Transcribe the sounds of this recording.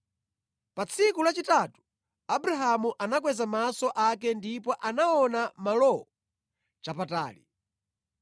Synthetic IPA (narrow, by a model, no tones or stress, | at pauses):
pat͡sʰikulat͡ʃitatu̥ | abuɾaɦamuʔanak̬wɛzamasɔʔakɛndipɔʔanaɔnamalɔɔ | t͡ʃapata̰ːli